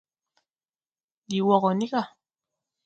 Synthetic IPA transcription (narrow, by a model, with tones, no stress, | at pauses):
di˨wɔ˨ɣɔ˨ni˦ka˦˨